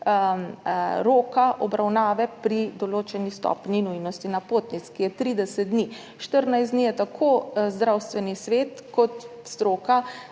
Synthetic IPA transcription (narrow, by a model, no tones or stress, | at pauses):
ɾoːkaʔɔbɾawnaːʋɛpɾid̪ɔloːt͡ʃɛnist̪ɔ̰pninujnɔst̪inapot̪nit̪skijɛt̪ɾid̪ɛsɛd̪̚d̪ni | ʃt̪əɾnajsd̪nijɛt̪akʰozd̪ɾawst̪ʋɛnisʋeːt̪kɔt̪st̪ɾoːka